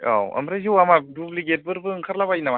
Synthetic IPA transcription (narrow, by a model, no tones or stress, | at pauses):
a̰wɐ̰mɾazɯwamadubliɡet̚bɯɾbɯŋkʰaɾlabajnama